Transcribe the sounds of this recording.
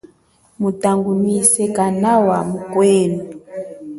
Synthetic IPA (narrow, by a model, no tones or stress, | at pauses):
mutaŋɡumisɛkanawamukwɛːnu